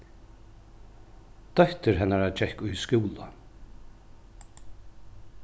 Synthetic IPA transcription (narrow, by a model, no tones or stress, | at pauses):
d̪̥œht̪ɪɾɦɛnaɾad͡ʒɛhkʊjskɪwla